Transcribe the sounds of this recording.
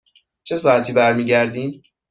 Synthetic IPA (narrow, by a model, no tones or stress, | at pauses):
t͡ʃʰe̞sɒːæt̪ʰiːbæɾmiːɟæɾd̪iːn